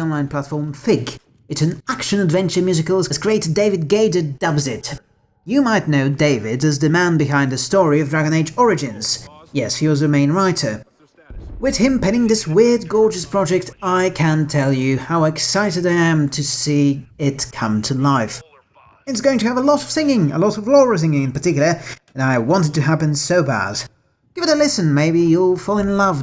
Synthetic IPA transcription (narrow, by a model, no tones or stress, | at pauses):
ɔ̃nlãɪ̃npʰl̥ætfɔɹmfɪɡ | ɨtsn̩ækʃɨ̃nɨdvɛ̃nt͡ʃə˞mjʉzɨkəl̩ˠzɨz̥kʰɹ̥ieɪɾɨdeɪvɨd̚ɡeɪdɨdʌbzɪt | jɨmaɪtⁿnoʊdeɪvɪdɨzdɨmæ̃nbɨɦãɪ̃ndɨstɔɹiʌvdɹæɡɨ̃ñeɪd͡ʒɔɹɨd͡ʒɨ̃nz̥jɛshiwʌzɨmẽɪ̃nɹaɪɾə˞ | wɨð̥ɨ̃mpʰɛ̃ɾ̃ɪ̃ŋðɪswɪɹd̚ɡɔɹd͡ʒɨspʰɹ̥ɑd͡ʒɛk̚taɪkʰɨ̃ntʰɛlˠjɨhaʊɨksaɪɾɨɾaɪɨ̃mtʰɨsiɪt̚kʰʌ̃mtʰɨlaɪf | ɨtsɡ̥oʊɪ̃ŋtʰɨːvəlɔɾʌv̥sɪ̃ŋɪ̃ŋə̰lɔɾʌvlɔɹəs̬ɪ̃ŋɪ̃ŋɨ̃npə˞tʰɪkjl̩ˠə˞ɨ̃naɪwɑ̃ntɨd̚tɨɦæpɨ̃nsoʊbæ̰d̥ | ɡ̥ɪvɨɾəlɪsɨ̃nmeɪbijəlˠfɔlˠɨ̃nlʌv